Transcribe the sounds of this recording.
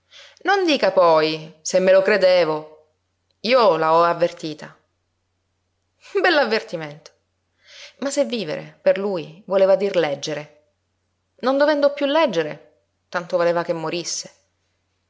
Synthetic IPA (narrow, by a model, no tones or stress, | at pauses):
nond̪iːkapɔjsemːelokɾed̪eːvo | iːolaɔavːert̪iːt̪a | bɛlːavːert̪iment̪o̥ | masːevːiːvḛɾḛperluːjvoleːvad̪irlɛd͡ʒːeɾe | nond̪ovɛnd̪opːjulːɛd͡ʒːeɾe | t̪ant̪ovoleːvakemːoɾisːe̥